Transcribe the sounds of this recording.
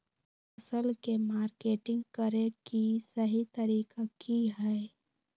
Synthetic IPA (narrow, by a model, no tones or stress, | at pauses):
ɐsəlkemaːɾkeːʈɪ̃ŋɡkəɾekisəɦit̪ɐɾiːkakiɦɛː